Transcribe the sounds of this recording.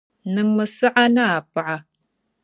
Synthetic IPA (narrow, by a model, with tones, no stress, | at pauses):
nɨ˦ŋmə˦sa˦ʔa˦na˦˨a˨pa˨ʔa˨